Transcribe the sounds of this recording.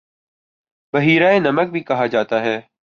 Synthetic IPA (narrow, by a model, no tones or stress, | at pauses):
bəɦiːɾaːeːnəmək̚bʱiːkɐɦaːd͡ʒaːt̪aːɦɛː